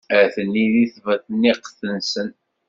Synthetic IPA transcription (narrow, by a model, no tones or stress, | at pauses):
æθənːiðiθvæθənːiqθənsən